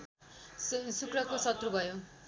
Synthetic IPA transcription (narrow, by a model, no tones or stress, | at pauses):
sukɽʌkosʌt̪rubʱʌjo